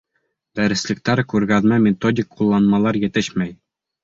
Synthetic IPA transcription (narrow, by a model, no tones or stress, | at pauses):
d̪̥æɾɘ̆slɘ̆k̚t̪æɾkʉɾɡæðmæmʲɪt̪odʲɪkqulˠːɑnmɑlˠɑɾjɘ̆t̪ɘɕmæj